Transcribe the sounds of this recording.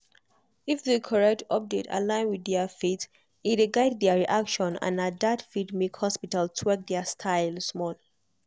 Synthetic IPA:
ifðekʰɔɹɛk̚tʰɔp̚detʰa̰lãɪ̃nwidɛafit | ideɡaɪd̚ðɛaɹiʔakʃɔ̃nã̰nat̚datfidmekhɔspitaltʰwɛk̚dɛastʰaɪlsmɔl

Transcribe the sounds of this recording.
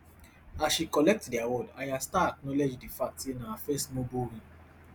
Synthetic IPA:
asʃikɔlɛk̚tdiawɔdajastaak̚nɔled͡ʒdifak̚tinãafɛstmõbũɾĩ

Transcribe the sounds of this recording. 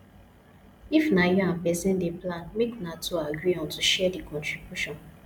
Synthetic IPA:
ifnajiam̩pɛzɛ̃n̩deplãnmeknatuaɡɾiɔ̃ntuʃɛdikʰɔ̃ntɹibjuʃɔ̃n

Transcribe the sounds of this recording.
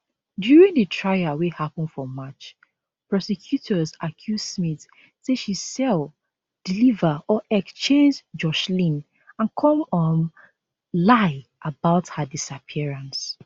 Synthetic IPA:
djuɹĩŋdətʰɹaɪawihapə̃nfɔmat͡ʃ | pɹɔsɛkʰjutʰɔzakʰjudsmit | seʃisɛl | d̥ilivəɔʔɛkst͡ʃẽnd͡ʒd͡ʒɔʃlĩn | ãnkʰɔ̃mɔ̃n | laɪʔabaʊthədisapʰiɹãns

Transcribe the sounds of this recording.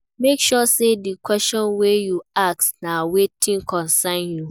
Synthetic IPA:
mekʃɔsedikʰwɛstɔ̃nwejuak̚snãwetʰĩŋkʰɔ̃nsanju

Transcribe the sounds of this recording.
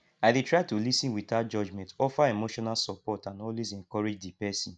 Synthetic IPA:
aɪditʰɹaɪtulisĩnwitad͡ʒɔd͡ʒmɛ̃ntɔfaemoʃɔnalsɔpɔtãnɔlwezɛ̃ŋkɔɹed͡ʒdipɛsɔ̃n

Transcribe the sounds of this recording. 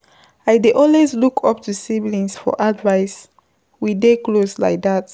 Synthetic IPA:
aɪdeʔɔlwezlukʰɔp̚tʰusiblĩnsfɔ̰ʔadvaɪs | wideklosla̰ɪk̚dat

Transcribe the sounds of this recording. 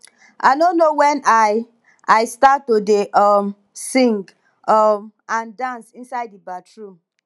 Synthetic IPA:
ʔaɪnonːowɛ̃naɪ | aɪstatːodeʔɔm | sĩŋɡ | ɔmãndãnsĩnsaɪdibatɹu

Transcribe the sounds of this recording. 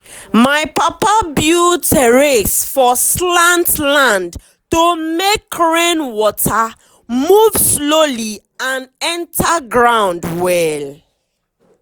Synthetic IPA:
maɪpapabjutɛɹesfɔslãntlãnd | tomekʰɹẽnwɔtʰa | muvsloli | ãnɛ̃ntʰaɡɹãʊ̃ndwɛl

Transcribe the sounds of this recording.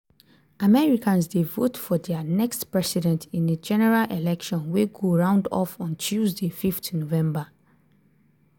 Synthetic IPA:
amɛɹikãns̬devotfɔdɛənɛkstpɹɛsidɛ̃ntĩnəd͡ʒɛnɛɹalʔelɛkʃɔ̃nweɡoɹãʊ̃ndɔ̰fɔ̃nt͡ʃʰuzdefiftnovɛ̃mba

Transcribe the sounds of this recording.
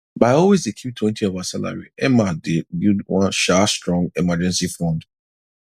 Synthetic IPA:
baɪɔlwezdekʰjutʰwɛ̃ntʰiɔvasala̰ɹḭɛmadebidwãnʃastɹɔ̃ŋɡɛmad͡ʒɛ̃nsifɔ̃nd

